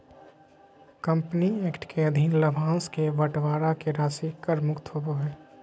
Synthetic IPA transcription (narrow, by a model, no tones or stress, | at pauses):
kə̃mpnieːkʈkeəd̪ʱinləbʱãːskeʋəʈʋaːɾakeɾaːsikəɾmʊkt̪ɦoboɦɛː